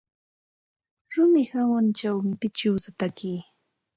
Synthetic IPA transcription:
ɾʊmɪhamʊnt͡ʃawmɪpɪt͡ʃɪwsat̪akiː

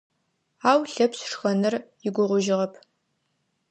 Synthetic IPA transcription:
aːwɬɐpsʂxɐnɨrjɪɡʷʊʁʷʊʒɪʁɐpʰ

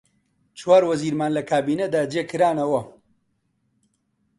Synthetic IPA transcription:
t͡ʃwaːɾwɐziːɾmaːnlɐkʰaːbiːnɐd̪aːd͡ʒeːkʰɨɾaːnɐwɐ

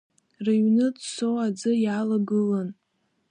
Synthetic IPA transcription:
raɥnɨdsowad͡zɨjaːlaɡɨlan

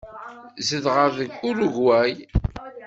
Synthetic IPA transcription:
zəðʁəðəɡʊɾʊʝwæj

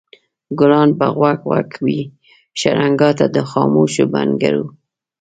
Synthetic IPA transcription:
ɡʊlɑnbaɣwakwakʰwi | ʃaɾaŋɡɑt̪ad̪əxɑmoʃobanɡaɾu

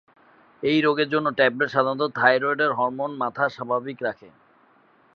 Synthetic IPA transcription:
ejɾoɡeɾd͡ʑonːoʈapɾeʈʃad̪ʱanot̪ot̪ʰajɾojɖeɾɦɔɾmonmat̪ʰaʃabʱabikɾakʰe

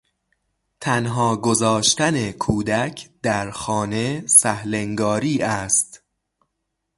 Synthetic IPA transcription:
t̪ʰænɦɒːɡozɒːʃt̪ænekʰuːd̪æcʰd̪æɾxɒːne̞sæhleŋɡɒːɾiːʔæst̪

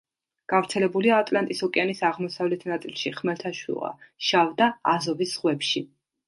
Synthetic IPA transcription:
ɡ̥avɾt̪sʰɛlɛbuliaːt̪ʼlant̪ʼisɔkʼɛanisaʁmɔsavlɛt̪ʰnat̪sʼilˠʃiχmɛlt̪ʰaʃwḭlʁa̰ʃavd̪aːzɔvisz̥ʁwɛpʃi

